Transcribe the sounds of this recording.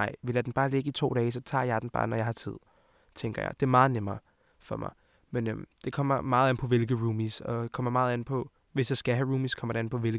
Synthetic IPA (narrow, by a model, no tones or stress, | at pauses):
nɑ̈ɪ̰ʋe̝lædenb̥ɑ̈ːle̝ɡ̥əit͡sʰo̝̰ːɾ̥ɛːsɒ̽t͡sʰɑ̰̈ːjɑ̈d̥en̩b̥ɑ̰̈ːnɒjɑ̈ɪhɑ̈t͡sʰið̞̰ˠ | t͡sʰeŋɡ̥ɐjɑ̈ɪd̥e̝æɐmɑ̈ːð̞̩ˠnemɐː | fɒ̽mʔɑ̈ɪ | menømd̥e̝kʰɒ̽m̰ɐmɑ̈ːð̞̩ˠænpʰɒ̽ʋe̝lɡ̥ð̩ˠʁuːmisɒ̽kʰɒ̽m̰ɐmɑ̈ːð̩ˠæn̩pʰɒ̽ | ʋe̝sjɑ̈ɪsɡ̥æɦæʁuːmiskʰɒ̽mɐɾ̥e̝æn̩pʰɒ̽ʋe̝lɡ̥